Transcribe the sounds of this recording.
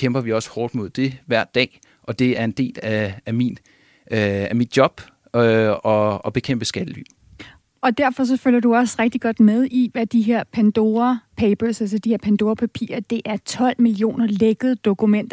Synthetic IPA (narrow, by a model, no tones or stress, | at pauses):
kʰemb̥ɐʋiɒ̽sə̥hɒːd̥mo̝ð̰ˠd̥e̝ʋæɐ̰d̥ɛ̰ː | ʔɒ̽d̥e̝æɐe̝nd̥e̝̰ːlææmin | æmid̥̚jɒ̽b̥ | ɒ̽ɒb̥e̝kʰem̰b̥əsɡ̥æd̥əly̰̥ː | ɒ̽d̥æɐ̰fɒ̽s̬ɒ̽føljɐd̥uɒ̽sʁeɡ̥̚d̥iɡ̥ɒ̽d̥með̞ˠiʋæd̥iɦeɐ̰pʰænd̥o̝ːɐpʰeɪb̥əsæls̬ɒd̥ihe̝ɐ̰pʰænd̥o̝ːɐpʰæpʰḭːɐd̥e̝ʔæɐt͡sʰɒ̽l̰milio̝̰ːnɐleɡ̥ð̩ˠd̥o̝kumen̰d̥